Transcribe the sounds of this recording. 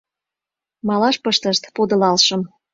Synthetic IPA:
mɑlɑʃpəʃt̪əʃt̪pod̪ə̆lɑlʃə̆m

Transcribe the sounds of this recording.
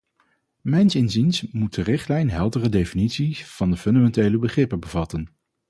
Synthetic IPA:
mɛjnsɪnzinsmut̚dərɪχtlɛjnɦɛlˠdərədejfinitsiv̥ɑndəfɵndamɛntejləbəχrɪpəbəvɑtən

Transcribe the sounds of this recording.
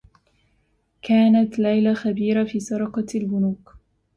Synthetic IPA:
kaːnat̪lajlaxabiːɾafiːsɑɾˤɑqɑlbʊnuːk

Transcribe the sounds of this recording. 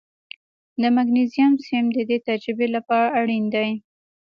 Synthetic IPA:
d̪əmaɡnezijɑmsɪmd̪əd̪et̪ad͡ʒɾɪbelapɑɾaːɽind̪aj

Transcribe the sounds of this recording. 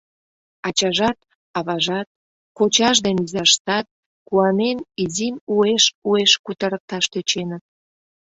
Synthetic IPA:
ɑt͡ɕɑʒɑt̪ | ɑβɑʒɑt̪̚ | kot͡ɕɑʃ̬d̪enyzɑʃt̪ɑt̪̚ | kuɑnenizimueʃueʃkut̪əɾək̚t̪ɑʃt̪øt͡ɕenət̪̚

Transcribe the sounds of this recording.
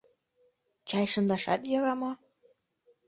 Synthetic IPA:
t͡ɕɑjʃɤ̆nd̪ɑʃɑ̰t̪jɑɣɑmo

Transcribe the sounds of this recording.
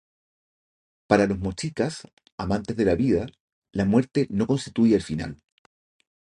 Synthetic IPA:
paɾalo̞zmo̞t͡ʃikas | amãnt̪ezðe̞laβið̞a | lamwe̞ɾt̪e̞no̞ko̞nst̪it̪ujeelfina̰l

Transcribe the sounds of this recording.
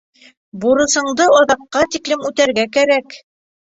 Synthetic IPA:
buɾɤ̆sɤ̆ɴd̪ɤɑðɑqːɑt̪iklɘmʉt̪æɾɡækæɾæk

